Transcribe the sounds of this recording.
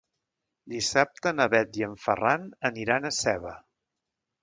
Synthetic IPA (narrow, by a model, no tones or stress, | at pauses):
d̪isap̚t̪ənəβɛt̪̚jəɱfə̰ranəniɾanəsɛβə